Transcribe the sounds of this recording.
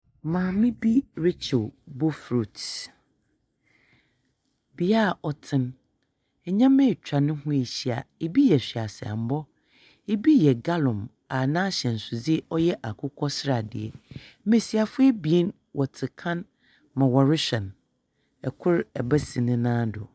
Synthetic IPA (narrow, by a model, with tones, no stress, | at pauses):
mãː˨mɪ̃˦bi˦ɾɪ˦t͡ʃʰɛ˨lbo˦fɾu˨t | bi˨a˦˨ʔɔ˨tʰɪ̃˦n | ɛ˨ɲã˦mɛ̃˦˨t͡ɕᶣa˨nʊ̃˦hʊ̃˦e˨ɕi˦a̰˨e˨bi˦jɛ˨ɕᶣi˨a˨sɛ˨a̰˨m˨bɔ˦ | e˦bi˦jɛ˨ɡa˦lɔ̃˨m | a˨nãː˦ɕɛ̃˨n̩˨sʊ˨d͡zi˦ʔɔ˦jɛ˦ʔa˨kʰʊ˦kʰɔ˦sɪ˦ɾa˨dɪ̰˨ɛ̰˨˦mẽ˨si˨a˨fʊ˦ɛ˦bi˨i˦n | wʔɔ˨tʰɪ˨kʰã˦n | mã˨wɔ˨ɾɪ˦ɕᶣɛ̃˨n | ɛ˨kʰʊ˦ɾɛ˨bɛ˦sĩ˨nɪ̃˦nãː˦dʊ̰˨